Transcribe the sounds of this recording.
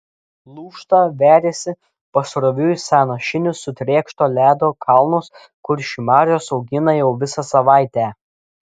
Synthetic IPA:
lˠuːʃt̪ɑːʋʲæːɾʲeːsʲɪ | pɐsɾɔʋʲʊɪsʲɑːnɐʃʲɪnʲʊsʊt̪ʲɾʲeːkʃt̪oːlʲæːd̪oːkʰɑˑlˠnʊs | kʊɾʃʲimɑːɾʲɪjoːsɒʊɡʲɪnɐjɛʊʋʲɪsɐsɐʋɑˑɪt̪ʲæː

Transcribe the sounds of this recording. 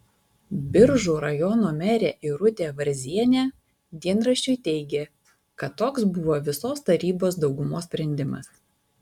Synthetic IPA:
bʲɪɾʒuːɾɐjɔnoːmʲɛɾʲeːʔɪɾʊt̪ʲeːʋɐɾʲzʲiɛnʲæː | d̪ʲiɛnɾɐʃʲt͡ʃʲʊɪt̪ʲɛɪɡʲeː | kɐt̪ːoːksbʊʋoːʋʲɪsoːst̪ɐɾʲiːboːsd̪ɒʊɡʊmoːsʲpʲɾʲɛnʲd̪ʲɪmɐ̰s

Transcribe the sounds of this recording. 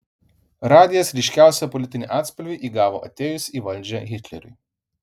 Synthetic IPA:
ɾaːd̪ʲijɐsɾʲiʃʲkʲæˑʊsʲɛpɔlʲit̪ʲɪnʲiʔaːt̪spɔlʲʋʲiʔiɡaːʋoʔɐ̰t̪ʲeːjusiʋɐlʲd͡ʒʲɛɣʲɪt̪lʲɛ̰ɾʲʊ̰j

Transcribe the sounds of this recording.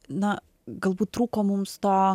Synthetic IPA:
na | ɡɐlˠbut̪ɾukɔmumst̪ɔ

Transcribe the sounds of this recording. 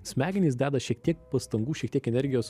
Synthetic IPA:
sʲmʲæːɡʲɪnʲiːs̬d̪ʲæːd̪ɐʃʲiɛkt̪ʲiɛk̚pɐst̪ɐŋɡuːʃʲɛk̚t̪iɛkɛnʲɛɾʲɡʲɪjoːs

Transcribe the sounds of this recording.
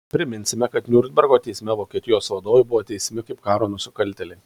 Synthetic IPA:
pʲɾʲɪmʲɪnʲsʲɪmʲɛkɐt̪nʲuːɾʲd̪ʲbʲɛɾɡoːt̪ʲɛɪsʲmʲɛʋoːkʲiɛt̪ʲɪjoːsʋɐd̪oːʋʲɛbʊʋoːt̪ʲɛɪsʲmʲɪkɐɪpkɑːɾoːnʊsʲɪkɐlʲt̪ʲɛlʲɛɪ

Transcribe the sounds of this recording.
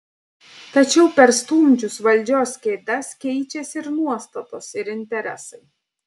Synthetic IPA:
t̪ɐt͡ʃʲɛʊpʲɛɾst̪uːmʲt͡ʃʲʊsʋɐlʲd͡ʒʲoːskʲɛɪd̪ɐskʲɛɪt͡ʃʲɛsʲɪɾnuɔst̪ɐt̪oːsɪɾɪnʲt̪ʲɛɾʲɛ̰sɐɪ

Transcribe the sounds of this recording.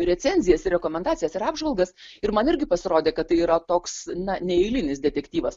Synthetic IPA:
ɾʲɛt͡ssʲɛnʲzʲɪjɛsɪrʲɛkoːmʲɛnd̪ɑːt͡sʲɪjɛsɪɾɑːbʒʋɐlˠɡɐs | ɪɾmɐnɪɾʲɡʲɪpɐsʲɪɾoːd̪ʲeːkɐt̪tːɐɪiːɾɐt̪oːksnɐnʲɛɛɪlʲɪnʲɪsd̪ʲɛt̪ʲɛkt̪ʲiːʋɐs

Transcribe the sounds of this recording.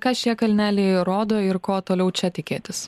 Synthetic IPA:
kɑːʃʲiɛkɐlʲnʲæːlʲeɪɾoːd̪oːɪɾkoːt̪oːlʲɛʊt͡ʃʲɛt̪ʲɪkʲeːt̪ʲɪs

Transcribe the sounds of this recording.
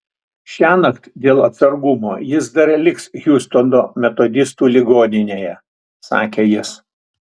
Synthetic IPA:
ʃʲæːnɐkt̪ʲd̪ʲeːlˠɐt̪sɐɾɡʊmoːjɪs̬d̪ɐɾlʲɪksɣʲuːst̪ond̪oːmʲɛt̪oːd̪ʲɪst̪uːlʲɪɡoːnʲɪnʲeːjɛ | sɑ̰ːkʲeːjɪs

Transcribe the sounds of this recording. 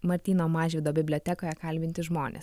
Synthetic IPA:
mɐɾʲt̪ʲiːnoːmɑːʒʲʋʲɪːd̪oːbʲɪbʲlʲoːt̪ʲɛkoːjɛkɐlʲbʲɪnʲt̪ʲɪʒmoːnʲḛs

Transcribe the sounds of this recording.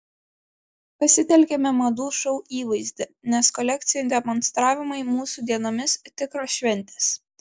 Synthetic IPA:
pɐsʲɪt̪ʲɛlʲkʲɛmʲɛmɐd̪uːʃɔʊiːʋɐɪzʲd̪ʲɛnʲɛskɔlʲɛk̚ʲt̪sʲɪjɛnd̪ʲɛmɔnst̪ɾɑːʋʲɪmɐɪmuːsuːd̪ʲiɛnoːmʲɪst̪ʲɪkɾoːʃʲʋʲɛnʲˑt̪ʲeːs

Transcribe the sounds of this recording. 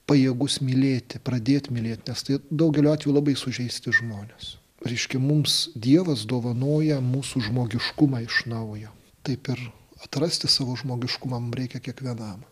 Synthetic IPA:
pɐjeːɡʊsmʲilʲeːt̪ʲɪpɾɐd̪ʲeːt̪ʲmʲɪlʲeːt̪nʲɛst̪ɐɪd̪ɐʊɡʲɛlʲoːɑːt̪ʲʋʲejʊlˠɐbɐɪsʊʒʲɛɪsʲt̪ʲɪʒmoːnʲeːs | ɾʲɛɪʃʲkʲɛmʊmsd̪ʲiɛʋɐsd̪oːʋɐnoːjɛmuːsuʒmoːɡʲɪʃkʊmɑːɪʃnɐʊjoː | t̪ɐɪpɪɾ | ɐt̪rɐsʲt̪ʲɪsɑːʋoːʒmoːɡʲɪʃkʊmɑːmʊmɾʲɛɪkʲɛkʲiɛkʋʲiɛnɐm

